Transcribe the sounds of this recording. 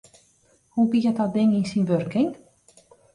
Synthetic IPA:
hubijətɔt̚dɪŋinsinʋørkɪŋ

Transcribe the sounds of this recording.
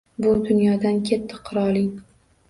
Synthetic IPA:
bʊd̪ʊnjɒd̪ankʲʰet̪ʰːɪqʰʊɾɒlˠɪŋ

